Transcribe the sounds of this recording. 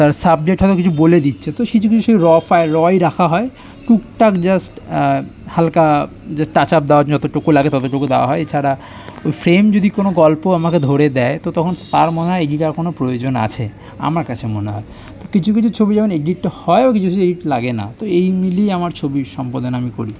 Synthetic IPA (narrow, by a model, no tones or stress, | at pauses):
t̪aɾsab̚d͡ʑek̚ʈɦɔt̪okit͡ɕʰuboled̪itːɕʰet̪oit͡ɕʰuk̬iuʃobɾɔfaeɾɔjɾakʰaɦɔe | ʈukʈakd͡ʑasʈ | halka | d͡ʑaʈat͡ɕap̚d̪eoad͡ʑɔt̪oʈokolaɡet̪ɔt̪̬oʈokod̪eoa̰ɦɔeet͡ɕʰaɾa | ojfɾemd͡ʑod̪ʱikonoɡɔlpoamaked̪ʱoɾed̪ɛet̪ot̪ɔkʰont̪aɾmoneɦaeeɖiʈaɾkonopɾojod͡ʑona̰t͡ɕʰe | a̰maɾkat͡ɕʰemoneɦɔ̰e | t̪okit͡ɕʰukit͡ɕʰut͡ɕʰobiɛkoneɡɖiʈːhɔebakit͡ɕʰukit͡ɕʰueɖiʈlaɡena̰t̪oejmilijamaɾt͡ɕʰobiʃɔmpod̪onamikoɾi